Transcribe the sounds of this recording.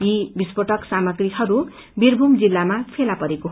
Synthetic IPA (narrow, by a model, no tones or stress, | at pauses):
jibispoʈʌksamʌɡriɦʌɾu | birbʱumd͡zilːamapʰelapʌɾeko